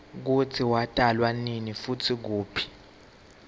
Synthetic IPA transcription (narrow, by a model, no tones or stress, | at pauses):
k̬ut͡sʰiwatʼalwaninifutʰik̬uːpʰi̥